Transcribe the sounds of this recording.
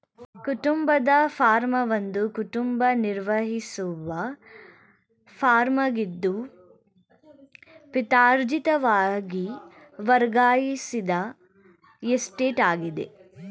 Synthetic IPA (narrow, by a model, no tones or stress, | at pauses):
kuʈumbɐd̪ɐpʰaːɾmɐʋɐnd̪ukuʈumbɐniɾʋɐɦisuʋɐ | pʰaːɾmɐɡid̪ːu | pit̪aːɾd͡ʒit̪ɐʋaːɡi | ʋɐɾɡaːjisid̪ɐ | esʈeːʈaːɡid̪ḛ